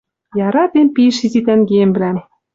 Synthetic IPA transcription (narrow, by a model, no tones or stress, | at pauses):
jɑɾɑt̪empiʃizit̪æŋɡemblæ